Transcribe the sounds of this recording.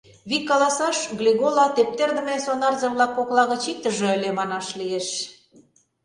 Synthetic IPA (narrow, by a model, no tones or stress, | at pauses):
βikːɑlɑsɑʃɣlʲiɣolɑt̪ep̚t̪erd̪ə̆mesonɑrzəβlɑkːoklɑɣə̆t͡ɕik̚t̪əʒɤ̆əlʲemɑnɑʃlieʃ